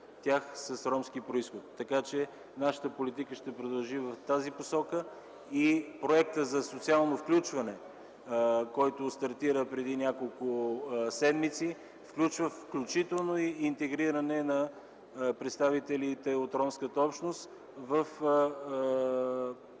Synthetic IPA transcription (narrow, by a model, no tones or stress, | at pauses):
t̪ʲaxsəsɾɔmskipɾoisxot̪ːɐkat͡ʃɛ | naʃət̪əpolit̪ikəʃt̪ɛpɾod̪ɐlˠʒivɐft̪aziposɔkə | ipɾoɛk̚t̪əzɐsot̪sialˠnofklʲut͡ʃvɐnɛ | kɔjt̪ʊst̪ɐɾt̪iɾəpɾɛd̪inʲjakolˠkʊsɛd̪mit̪si | fklʲut͡ʃvəfklʲut͡ʃit̪ɛlˠnoiint̪ɛɡɾiɾɐnɛnɐ | pɾɛt̪st̪avit̪ɛlit̪ɛot̪ɾɔmskət̪əɔpʃnost̪ | vəf